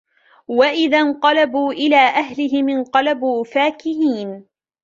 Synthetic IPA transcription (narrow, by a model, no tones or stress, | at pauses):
waʔɪðanqɑlabuːʔɪlaːʔaɦlɪɦɪmɪnqɑlabuːfaːkɪhiːn